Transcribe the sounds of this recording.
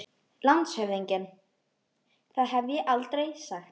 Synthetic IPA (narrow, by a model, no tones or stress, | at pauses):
lant̪shœvðiɲcɪn | θaðɦɛvjɛʔalt̪ɾejsaxt̪